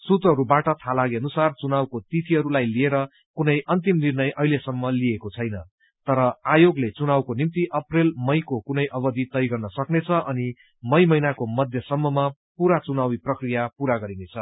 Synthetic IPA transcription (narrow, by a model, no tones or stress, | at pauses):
sut̪rʌɦʌɾubaʈʌt̪ʰalaɡiʌnusart͡sunawkot̪it̪ʰiʌɾulajlieɾʌ | kunʌjʔʌnt̪imnirnʌjʌɦilesʌmːʌliekot͡sʰʌjnʌ | t̪ʌɾʌajoɡlet͡sunawkonimt̪iʔʌprelmʌjkokunʌjʔʌbʌd̪it̪ʌjɡʌrnʌsʌknet͡sʰʌʔʌni | mʌjmʌjnakomʌd̪ʱjʌsʌmːʌmapuɾat͡sunawiprʌkrijapuɾaɡʌɾinet͡sʰʌ